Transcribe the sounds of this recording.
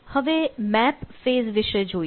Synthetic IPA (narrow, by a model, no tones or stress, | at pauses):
həʋeːmɛːpfeːzʋɪʃed͡ʒoː